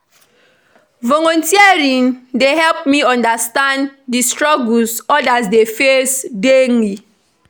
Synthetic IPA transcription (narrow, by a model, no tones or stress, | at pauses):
vɔlɔ̃ntiaɹĩndeɦɛlpmiɔ̃ndastãnddistɹɔɡulsɔdasdefesdeni